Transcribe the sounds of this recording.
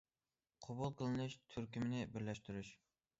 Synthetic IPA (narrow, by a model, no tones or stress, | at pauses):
qʰobulˠqəlˠɨnɨʃt̪ʰyɾkʲimɪnɪbɪɾlɛʃt̪yɾyʃ